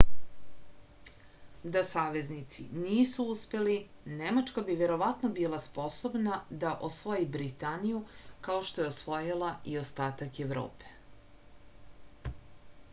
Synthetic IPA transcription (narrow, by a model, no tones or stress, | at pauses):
d̪asaːʋe̞znit̪sḭniːsuuspe̞li | nemat͡ʃkabiʋe̞ɾo̞ʋat̪no̞biːlˠaspo̞so̞bnad̪aʔosʋojibɾit̪anijukao̞ʃt̪o̞jeosʋo̞jilˠaio̞st̪aːt̪akeʋɾo̰ːpe̥